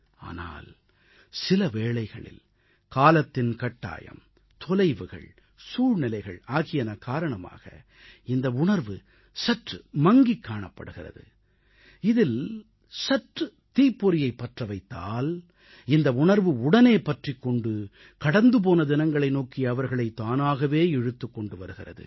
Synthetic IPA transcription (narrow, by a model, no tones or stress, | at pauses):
a̰ːna̰ːl | sɪlɐʋeːɭɐɪɣɐ̰ɭɪ̰l | kaːlɐt̪ːɪnkɐʈːa̰ːjɐ̰m | t̪ɔlɐɪʋɯɣɐ̰ɭ | suːɻnɪlɐɪɣɐ̰ɭaːɣɪjɐnɐkaːɾɐɳɐma̰ːɣɐ̰ | ɪnd̪ɐʊɳɐɾʋɯ | sɐʈrɯmɐŋɡikːaːɳɐpːɐ̰ɽɯɣɪrɐ̰ðɯ̰ | ɪðɪl | sɐʈrɯ | t̪iːpːɔɾɪjɐɪpːɐʈrɐʋɐɪt̪ːaːl | ɪnd̪ɐʊɳɐɾʋɯʊɽɐneːpɐʈrikːɔɳɖɯ | kɐɽɐnd̪ɯp̬oːnɐd̪ɪnɐŋɡɐɭɐɪnoːkɪɐʋɐɾɣɐɭɐɪt̪ːaːnaːɣɐʋeːɛɻɯt̪ːɯkːɔɳɖɯʋɐɾɯɣɪrɐ̰ðɯ̰